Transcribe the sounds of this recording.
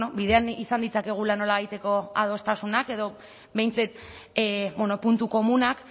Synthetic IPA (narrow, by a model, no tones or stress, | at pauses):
nobiðe̞anisand̪it͡sake̞ɣ̞ulano̞laβajt̪e̞ko̞a̰ð̞o̞st̪asunake̞ðo̞ | be̞jnt͡set̪ | bonopunt̪uko̞munak